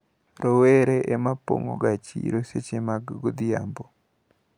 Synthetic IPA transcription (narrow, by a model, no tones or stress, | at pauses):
ɾoweɾeʔemapo̰ŋo̰ɡat͡ʃḭɾoset͡ʃemaɡɡod̪ɪja̰mbo